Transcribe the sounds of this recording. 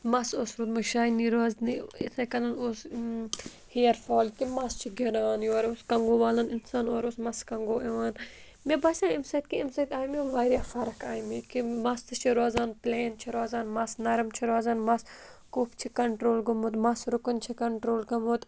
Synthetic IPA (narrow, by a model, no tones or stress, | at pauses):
mɐsosɾuːd̪mɐʃaːjniɾoːzniḭt̪ʰɐkɐlɐnoːs | hijɐɾfoːlkimɐst͡ʃʰiɡiɾaːnjoːɾoskɐŋɡoːʋaːlɐnɪnsaːnoːɾoːsmɐskɐŋɡoːeʋaːn | mebɐːsãːimsɐt̪̚kiimsɐt̪ʲaːjmioʋaːɾjaːfɐɾɐkaːjmikimɐst̪ɨt͡ʃʰiɾoːzaːnpleːnt͡ʃʰiɾoːzaːnmɐsnɐɾmt͡ʃʰiɾoːzaːnmɐs | koːpt͡ʃʰikɐɳʈɾoːlɡɐmoːt̪mɐsɾʊkɐnt͡ʃʰikɐɳʈɾoːlɡɐmoːt̪